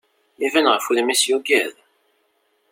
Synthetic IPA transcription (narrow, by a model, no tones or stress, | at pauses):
ivænʁəfuðmisjuɡæð